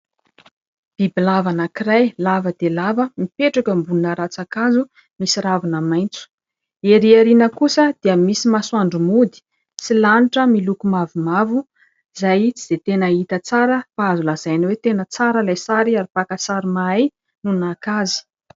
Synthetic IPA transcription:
b̥ibilavanakirajlavəd̪elavəmipeʈ͡ʂakəmbununəɾat͡sakazu | misiɾavunamajnt͡su̥ | eɾiaɾinəkusəd̪̥iəmisimaswaɳɖ͡ʐumud̪i̥ | silaniʈ͡ʂəmilukumavimavu | zajz̥et̪enəit̪ət͡saɾəpazulaz̥ajniwet̪enət͡saɾəlajsaɾiaɾipakəsaɾimaaj | nunakazi̥

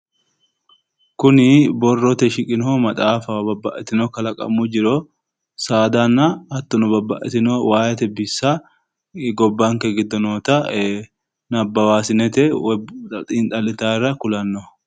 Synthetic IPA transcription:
kʊnɪbɔrːɔt̪ɛʃɪkʼɪnomɐt̪ʼaːfɐbɐbːɐʔɛt̪ɪnɔkɐlɐkʼɐ̰mːʊd͡ʒɪɾo | saːd̪anːɐɐt̪ːɔnʊbɐbːɐʔɛt̪ɪnowaːjɐt̪ɛbɪsːa | ɡɔbːɐŋkɛɡɪd̪ɔnoːt̪ɐ | nɐbːɐwaːsɪnɛt̪ɛ | t̪ʼiːnt̪ʼɐlɪt̪aːrːɐkʊlɐnːɔ

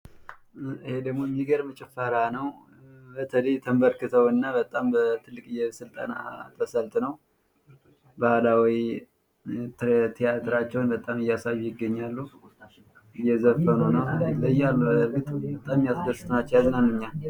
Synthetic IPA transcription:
ɨhe̞d̪əɡmo̞mːiɡəɾmət͡ʃʼɛfaɾanəw | bət̪ʰələjt̪ʰəmbəɾkɨt̪ʰəwɨnːabət̪ʼːambət̪ʰɨlːɨkʼɨjːɛsɨlt̪ʼa̰na̰t̪ʰːəsəlt̪nəw | bahlawi | t̪t̪ʰijat̪ʰɾat͡ʃːɛwnbət̪ʼamɨjasajːujɪɡːəɲːalːu | ɨjːɛzəfənonəwt̪ʰləjːalːuəfit̪ʼbət̪ʼammjasɡəsɨ̥t̪ʼnat͡ʃːɛjaznanɨɲːa

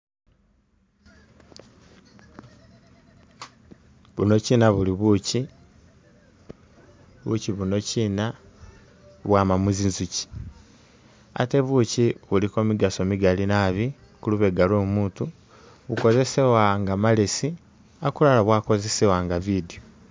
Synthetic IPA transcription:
βuno̞ciːnaβuliβuci | βṵciβuno̞cina | βwaːmamuzinzuci̥ | a̰te̞βuciβuliko̞ːmiɡaso̞miɡalinaβi | kuluβe̞ɡaloːmuːtu | βuko̞ze̞sewaŋɡamalesi | akulalaβwaːko̞ze̞sewaŋɡavidio

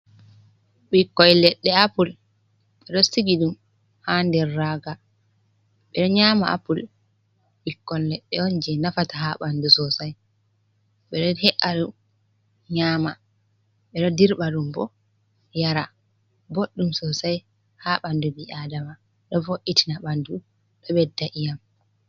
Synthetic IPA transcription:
ɓikːɔjlɛɗːɛapul | ɓɛɗɔsiɡiɗum | handɛɾːaːɡa | ɓɛɗɔɲaːma̰ʔa̰pul | ɓikːɔnlɛɗːɛɔnd͡ʒɛnafataɦaɓandusɔsaj | ɓɛɗɔhɛʔaɗu | ɲaːma | ɓɛɗɔdiɾɓaɗumbɔ | jaɾa | boɗːumsɔsaj | haɓandubiʔadama | ɗɔfoʔitinaɓandu | ɗɔɓɛdːaʔijam

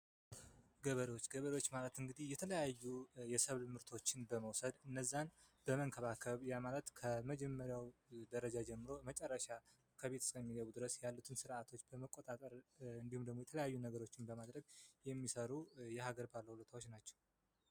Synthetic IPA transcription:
ɡəβəɾewot͡ʃːɡəβəɾewot͡ʃːmalət̪ɨŋɡɨd̪ihjɛt̪ʰələjajːujɛsəβlmɨɾt̪ʰo̞t͡ʃːɪnbəməwsəd̪ɨnːəzːanb̥əməŋkʰəβakʰəβjamalət̪kʰəməd͡ʒɛmːəɾjawd̪əɾəd͡ʒad͡ʒɛmːɨɾo̞mət͡ʃʼɛrːəʃa | kʰəβe̞t̪ʰɨ̥skʰəmːiɡəβud̪ɨɾəsjalːut̪ʰɨnsɨɾat̪ʰo̞t͡ʃːbəməkʼo̞t̪ʼat̪ʼəɾɨnd̪ihumd̪əɡmoɛt̪ʰələjajːunəɡəɾo̞t͡ʃːɪnbəmad̪ɾəɡjɛmːisəɾujɛhaɡəɾbalːəhulət̪awo̞t͡ʃːnat͡ʃːɛ̥w

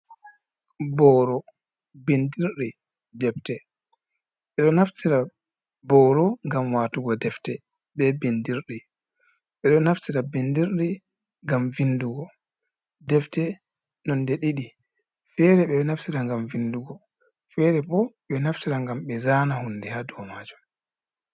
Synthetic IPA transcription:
bɔːɾɔ | bendiɾɗɛ | dɛftɛ | ɓɛɗɔnaftiɾa | bɔɾɔŋɡamwaːtuɡɔdɛftɛ | ɓɛbendiɾɗɛ | ɓɛɗɔnaftiɾabendiɾɗɛ | ŋɡamvinduɡɔ | dɛftɛ | nɔndɛɗiɗi | fɛɾɛɓɛnaftiɾaŋɡamvinduɡɔ | fɛɾɛbɔɓɛnaftiɾaŋɡamɓɛzaːnahundɛhadɔmaːd͡ʒɔm

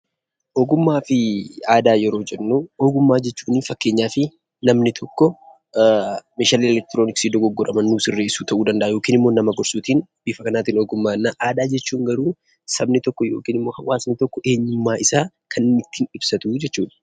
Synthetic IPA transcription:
ʔɔːɡʊmːaːfɪaːd̪aːjɛɾoːd͡ʒɛnːuːɔɡʊmːaːd͡ʒɛt͡ʃːuːnɪfɐkːe̞ːɲːaːfɪ | nɐmnɪt̪ʰɔkːɔ | meːʃaːliɛlɛk̚t̪ɪɾoːnɪksiːd̪ɔɡɔɡːɔɾɐmɐnːuːsɪrːe̞ːsuːt̪ʰɐʔuːd̪ɐnd̪ɐʔaːjo̞ːkiːnɪmːo̞ːnɐmɐɡɔɾsuːt̪iːnb̥iːfɐkɐnaːt̪iːnɔɡʊmːaːnːaʔaːd̪aːd͡ʒɛt͡ʃːuːŋɡɐɾuː | sɐbnɪt̪ɔkːɔjo̞ːkiːnɪmːoːhɐwaːsnɪt̪ɔkːɔʔe̞ːɲːʊmːaːʔɪsaː | kʰɐnːɪt̪ːiːnɪb̥sɐt̪uːd͡ʒɛt͡ʃːuːᶑɐ̥

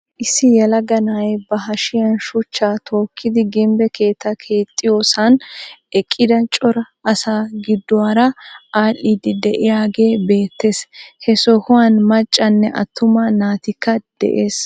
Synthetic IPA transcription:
ʔɪsːɪjɛlɐɡɐnaːjbɐɦɐʃɪjɐnʃʊt͡ʃːaːt̪ʰo̞ːkʰːɪd̪ɪɡɪmbɛkʰe̞ːt̪ːɐkʰe̞ːt̪ʼːɪjo̞ːsɐnʔɛkʼːɪd̪ɐt͡ʃʼɔɾɐːsaːɡɪd̪ːɔwaːɾɐaːlːid̪ɪd̪ɛʔɪjaːɡe̞ːbe̞ːt̪ːe̞shɛsɔhʊwanmɐt͡ʃʼːɐnːɛʔɐ̰t̪ːʊmɐnaːt̪ɪkːɐd̪̥ɛ̰ʔe̞ːs

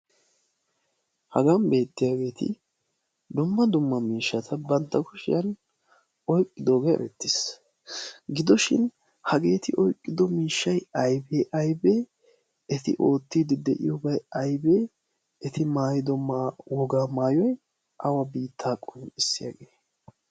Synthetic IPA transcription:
hɐɡɐmbe̞ːt̪ːɪjaːɡe̞ːt̪ɪ̰ | d̪ʊmːɐd̪ʊmːɐmiːʃːɐt̪ʰɐbɐnt̪ːɐkʊʃɪjɐn | ɔjkʼːɪd̪o̞ːɡɐjɛ̰ɾɛ̰t̪ːɪs | ɡɪd̪ɔʃɪn | hɐɡe̞ːt̪ɪʔɔjkʼːɪd̪ɔmiːʃːɐjɐjbeːʔɐjbe̞ː | ɛt̪ɪ̰ʔo̞ːt̪ːiːd̪ɪd̪ɛʔɪ̰jɔbɐjɐjbe̞ː | ɛt̪ɪmaːjɪd̪ɔwɔɡaːmaːjɔj | ʔɐwɐbiːt̪ʰːaːkʼʊnɪsːɪja̰ːɡe̞ː

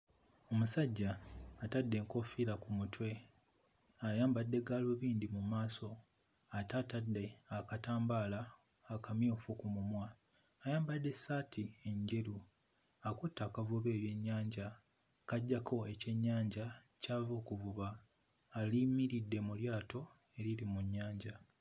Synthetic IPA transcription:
o̞musaɟːaːtadːe̞ːŋko̞fiɾakumutʰwe̞ | ajaːmbadːe̞ɡalwoβiːndimumaːso̞ | atatadːe̞akataːmbaːlaː | kamjoːfukumumwaː | jaːmbadːe̞saːtʰie̞ɲɟe̞ɾu | akutːakavuβe̞ːɾje̞ɲːaːɲɟa | kaɟːakʰo̞e̞ce̞ɲːaːɲɟa | caːvo̞ːkuvuβaː | limiɾidːe̞muljaːtʰo̞ | e̞ɾilimuɲːaːɲɟa

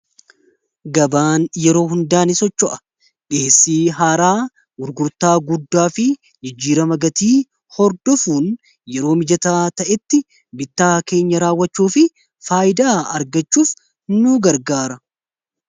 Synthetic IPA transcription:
ɡɐbaːnjɛɾo̞ːɦʊnd̪aːnɪsɔt͡ʃːɔʔɐ̥ | ᶑeːsːiːɦaːɾaː | ɡʊɾɡʊɾt̪aːɡʊd̪ːaːfɪ | d͡ʒɪd͡ʒːiːɾɐmɐɡɐt̪iː | hɔɾd̪ɔfuːn | jɛɾo̞ːmɪd͡ʒɐt̪aːt̪ɐʔɛt̪ːɪ | bɪt̪ːaːke̞ːɲːɐɾaːwːɐt͡ʃːuːfɪ | faːjɪd̪aːɐɾɡɐt͡ʃːuːf | nːuːɡɐɾɡaːɾɐ

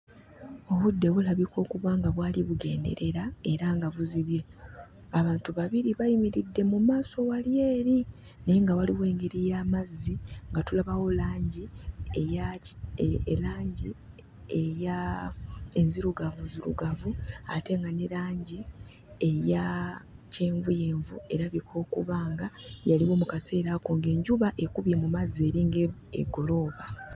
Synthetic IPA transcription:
o̞βudːe̞βulaβiko̞ːkuβwaːŋɡaβwaːliβuɡe̞̰ːnde̞̰ɾe̞ɾae̞ɾaŋɡaβuziβje̞ | aβaːntuβaβiɾiβajimiɾidːe̞mumaːso̞walje̞ːɾi | neŋɡawaliβwe̞ːŋɡe̞ɾijaːmazːiŋɡatulaβawo̞laːɲɟieja | laːɲɟi | eja | enziɾuɡavunziɾṵɡavuate̞ŋɡanelaːɲɟi | ejace̞ːɱvuje̞ːɱvue̞ɾaβikʰo̞ːkuβaːŋɡajaliwo̞ːmukase̞ːɾakoŋɡe̞ːɲɟuβaʔe̞kuβje̞mumazie̞ːɾiːŋɡeḛɡo̞lo̞ːβa

